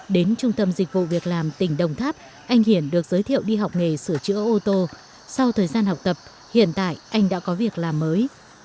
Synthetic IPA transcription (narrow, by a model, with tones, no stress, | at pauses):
ɗe˨˦nt͡ɕʊ˧ŋ͡mt̪ə˧mzï˨˩k̟̚vṵ˧˨vi˨˩ək̚laː˨˩mt̪ï˧˩ŋ̟ɗə˨˩wŋ͡mt̪ʰaː˦˥p̚ | ʔa˧jŋ̟hi˧˩ənɗɨ˨˩ək̚z̥əː˨˦jt̪ʰḭ˧˨ə˨wɗi˧ɦa˨˩wk͡p̚ŋe˨˩sɨ˧˩ət͡ɕɨ̰˧˥əʔo˧t̪o˧ | sa˧wt̪ʰəː˨˩jzaː˧nha˨˩wk͡p̚t̪ə˨˩p̚ | hḭ˧˨ənt̪a̰ː˧˨jʔa˧jŋ̟ɗa̰ː˧˥kɔ˨˦vi˨˩ək̚laː˨˩mːəː˨˦j